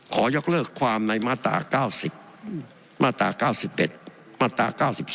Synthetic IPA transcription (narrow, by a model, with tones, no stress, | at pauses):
kʰɔː˩˦jo˦˥k̚lɤː˥˩kʰːwaː˧mna˧jmaː˥˩t̪a̰ː˧kaː˥˩wsi˨˩p̚ | maː˥˩t̪ːa̰ː˨˧˦kaː˥˩wsi˨˩p̚ʔe˨˩t̪̚ | maː˥˩t̪ːa̰ː˧˩kaː˥˩wsi˨˩p̚